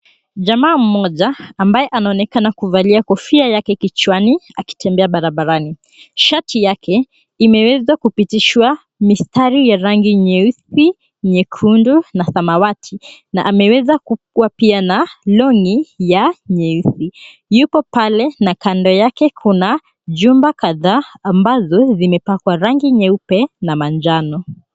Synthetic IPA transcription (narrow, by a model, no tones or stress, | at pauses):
ʄamaːm̩mɔʄaːmbajɛʔanaɔnɛkanakuvaliakɔfiajakɛkit͡ʃwania̰ki̥tɛmbɛaɓaɾaɓaɾani | ʃatʰijakʰɛ | imɛwɛzwakupitiʃwa | mistaɾijaɾaŋɡiɲɛuθi | ɲɛkʰundunasamawatʰinaʔamɛwɛzakukuwapianalɔŋijaɲɛuθi | jupɔpalɛnakandɔjakɛkʰuna | ʄumbakaðaːmbazɔzimɛpakwaɾaŋɡiɲɛupɛnamand͡ʒanɔ